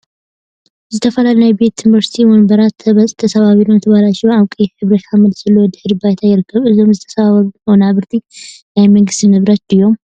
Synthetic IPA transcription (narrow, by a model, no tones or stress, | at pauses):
zɨt̪ʰəfəlalnajɛbet̪jnvəɾsi̥t̪ʰiwonbəɾat̪ʰβəsʼt̪ʰəsəβaβilont̪ʰəβalat͡ʃɛwawkʼjɛhɨβɾət̪haməd̪sɨlːowɔd̪ɨhɨɾbajt̪ʰajɛlkʰəβɨzomzɨt̪ʰə̥sβaβaonaβɨɾt̪ʰinajməŋɡɨst̪ɨnɨβɾat͡ʃd̪ɨjom